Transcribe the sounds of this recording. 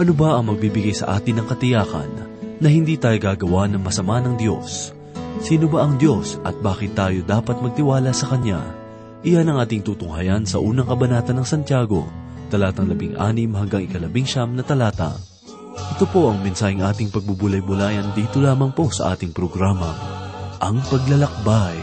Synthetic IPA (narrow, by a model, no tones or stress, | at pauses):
ʔɐnobaʔɐŋmɐɡ̚bibɪɡajsɐ̰ʔa̰ːt̪ɪnɐŋkɐt̪ɪjaːkɐ̰nː | ɐhɪnd̪iːt̪aːjoɡaːɡɐwanɐŋmɐsɐmanɐŋd̪jo̞̰sː | iːnobaʔɐŋd̪jo̞sʔɐ̰t̪̚baːkɪt̪ːaːjo̞d̪aːpɐt̪̚mɐɡ̚t̪ɪwaːlɐsɐkɐɲja̰ | ʔɪjanɐŋʔaːt̪ɪŋt̪uːt̪ʊŋhɐjansɐʔuːnɐŋkɐbɐnaːt̪ɐnːɐŋsɐnt̪jaːɡo̞̰ | t̪ɐlaːt̪ɐŋlɐbiŋʔa̰ːnɪmhɐŋɡɐŋɪkɐlɐbiŋʃamnɐt̪ɐlaːt̪ɐ̰ | ʔɛt̪o̞po̞ʔɐŋmɪnsaːhɪŋʔaːt̪ɪŋpɐɡ̚bubʊlɐjbʊlaːjɐnd̪iːt̪o̞laːmɐŋpo̞sɐ̰ʔa̰ːt̪ɪŋpɾoɡɾaːmɐʔɐŋpɐɡlɐlɐk̚baj